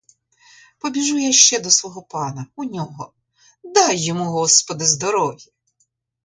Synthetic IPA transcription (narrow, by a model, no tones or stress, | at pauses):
pɔbʲiʒujaʃt͡ʃɛd̪ɔsʋɔɦɔpɑnɐunʲɔɦɔ | d̪ɑjːɔmuɦɔspɔd̪ɪzd̪ɔɾɔʋʲji